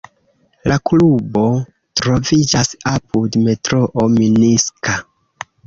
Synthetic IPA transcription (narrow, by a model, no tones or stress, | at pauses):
laklubo̞ | tɾo̞vid͡ʒasapudme̞tɾo̞ʔominiska